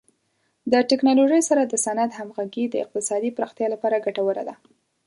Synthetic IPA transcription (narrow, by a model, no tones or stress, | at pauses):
d̪əʈɪknɑloʒəjsaɾad̪əsanad̪hamɣaɡid̪əɪ̰q̚t̪ɪsɑd̪ipɾɑxt̪jɑlapɑɾaɡaʈawəɾa̰d̪a